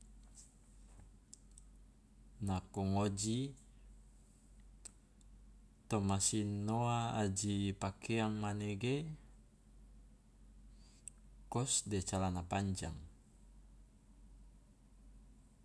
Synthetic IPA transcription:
nakɔŋod͡ʒi | t̪omasinoaːd͡ʒipakʰeaŋmaneɡe | kɔsdet͡ʃalanapaɲd͡ʒa̰ŋ

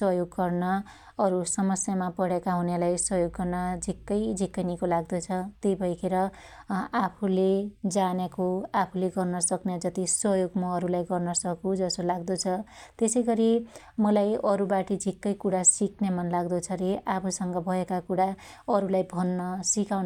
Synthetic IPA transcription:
sʌjoɡːʌrnʌː | ɾusʌmʌsjamapʌɽekaɦunelajswʌɦjoɡːʌrnʌd͡zʱikːʌjd͡zʱikːʌnikolaɡd̪ot͡sʰʌt̪ejbʱʌjkʰeɾʌ | apʰuled͡zanekoapʰuleɡʌrnʌsʌkned͡zʌt̪isʌjoɡmʌːɾulajɡʌrnʌsʌkũd͡zʌsolaɡd̪ot͡sʰʌt̪esʌjɡʌɾi | mʌlajʌɾubaʈid͡zʱikːʌjkuɽasiknemʌnlaɡd̪ot͡sʰʌɾeʔapʰusʌŋɡʌbʱʌekakuɽaʌɾulajbʱʌnːʌsikawn

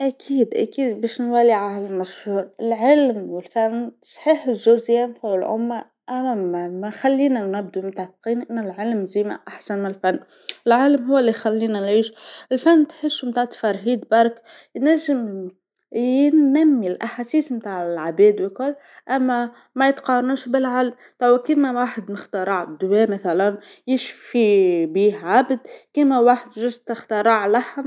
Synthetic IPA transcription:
ʔækʰiːd̪ʔæ̰kiːd̪biʃnwæliʕallmæʃhuːɾˤɪlʕəlmwɪlfænːsˤħiːħzːulzijæmfæwəlʕʊ̰mːa | ʔæmæxælːiːnænæb̚d̪umt̪aʕt̪qiːnʔənːælʕəlmziːma̰ʔaħsanmɪnəlfanː | əlʕalmɦʊwːælːixælːiːnænʕiːʃɪlfænːt̪ħəsːumt̪aʕt̪fɑɾˤɦiːd̪̚bɑɾˤkjnæʒːɪm | jɪnːæmːilʔaħasiːsmt̪aːʕɪlʕabɛːd̪wikʊlː | ʔæmːæ | mæjɪt̪qɑrˤɑnuːʃbɪlʕalm | t̪ˤɑwkimæwaːħəd̪məxt̪ɑɾˤɑʕd̪ʊwɛːmæθælæn | jɪʃfibiːhʕabd̪̚kimæwaːħəd̪ʒɪʒt̪ɪxt̪ɑɾˤɑʕlaħm

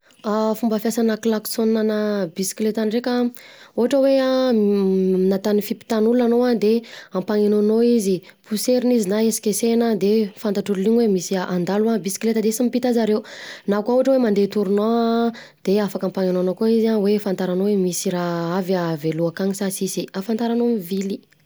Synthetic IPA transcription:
afumbəfjasanəklaku̥sonanəbisi̥klet̪anrekaoɦaʈ͡ʂəwe | nat̪anifipi̥t̪anuluanoad̪eampaŋenonoizi | pʰuseɾinizinaesi̥kʲesenəd̪efant̪aʈ͡ʂulliɲwemisiaʔand̪aluabisi̥klet̪əd̪esimipit̪azaɾeunakauɦaʈ͡ʂəwemand̪et̪uɾuno | d̪̥eafakampaŋenonokoizawefant̪aɾanowemisiɾaavaveluakaŋisasisiafant̪aɾanomivili

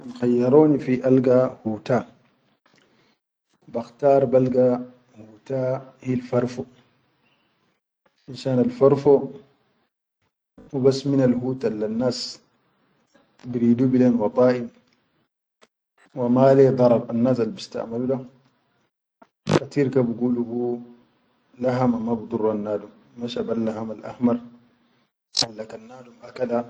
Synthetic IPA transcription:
anxajːɑɾoːnifiʔalɡahuːta | baxtaːɾˤbalɡa | huːtahilfaɾfo | ʔinʃaːnalfaɾfo | wibasːminalɦuːtʔalːanːaːs | biɾiːd̪uːbilenwɑt̪ˤɑːʔim | wamaled̪ˤɑɾˤɑɾanːaːsalbist̪a̰ʔmalula | kat̪iɾkabiɡuːluhu | laɦamamabɨd̪ˤurːanːaːdumːaʃabalːaɦamalʔa̰hmɑɾ | ʔalːakanːaːdumʔakada

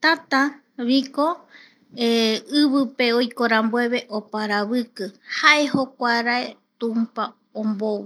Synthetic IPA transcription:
t̪at̪a | βiko̞ | eɨβɨpe̞ojkoɾamboe̞βe̞ʔopaɾaβɨkɨhaʔe̞ɦo̞kʷaɾaet̪ũmpa | õmbowɨ

